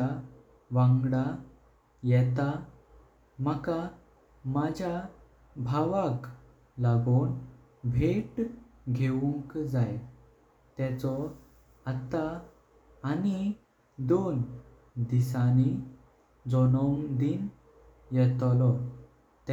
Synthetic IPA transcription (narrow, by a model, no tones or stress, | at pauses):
a | ʋãŋɡɽa | jɛt̪a | məka | mad͡ʑʱa | bʱaʋak | laɡon | bʱeʈɡʱeuŋkd͡zaj | t̪ɛ̃t͡sɔ | at̪aː | ni | d̪on | d̪isani | d͡zɔnɔŋd̪in | jɛt̪lɔ | t̪